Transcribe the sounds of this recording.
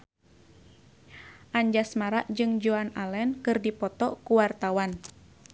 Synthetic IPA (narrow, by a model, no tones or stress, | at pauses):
ʔaɲd͡ʒasmaɾaʔd͡ʒɨŋd͡ʒuanalɛnkɨrdipɔt̪ɔkuwart̪awan